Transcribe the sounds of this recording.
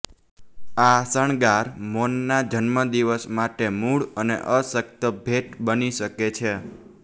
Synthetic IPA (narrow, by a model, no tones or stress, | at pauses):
asəɳɡaɾmonːad͡ʒənməd̪iʋəsmaʈemuɭənḛʔəsək̚t̪əbʱeʈbəniʃəket͡ʃʰe